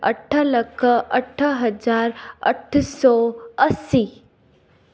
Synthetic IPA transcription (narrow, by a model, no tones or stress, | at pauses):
ə̰ʈʰələkʰəʔəʈʰəɦəd͡zaːɾə̰ʈʰsɔːəsi